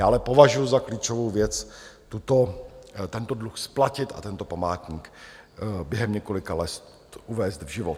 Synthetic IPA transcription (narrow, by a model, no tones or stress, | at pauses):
jaːʔalɛpo̞vaʒujuzakliːt͡ʃo̞vowvjɛt͡st̪ut̪ot̪ɛnt̪o̞dluxsplacɪt̪ʔa̰t̪ɛnt̪o̞pamaːt̪ɲiːk | bjɛɦɛmɲɛko̞lɪkalɛst̪t̪ʔuvɛːst̪vʒɪvot̪